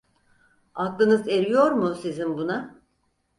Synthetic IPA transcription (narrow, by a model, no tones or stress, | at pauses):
aklˠɯnɯze̞ɾijo̞ɾmusizinbuna